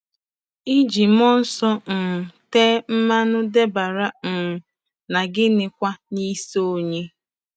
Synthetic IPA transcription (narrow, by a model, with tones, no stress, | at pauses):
i˦d͡ʒi˨mɔ˦n̩˦sɔ˦n̩˨teː˦m̩˦ma˦nʊ˦de˦ba˨ɾa˦m̩˨ | na˨ɡɪ˦nɪ˨kʷa˦ni˦so˦ɲe˦